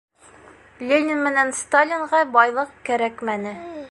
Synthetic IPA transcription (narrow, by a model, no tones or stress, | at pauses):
lʲenʲɪnmɘ̆nænst̪alʲiɴʁɑbɒjlˠɤq̚kæɾækmænɘ